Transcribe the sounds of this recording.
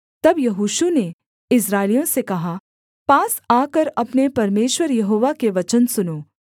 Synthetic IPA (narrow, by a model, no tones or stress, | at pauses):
t̪ɐbjɐɦuːʃune | ɪs̬ɾaːɪlijõsekɐɦa | paːsaːkɐɾɐpnepɐɾmeːʃwəɾjɐɦoːʋakeʋɐt͡ʃənsʊnoː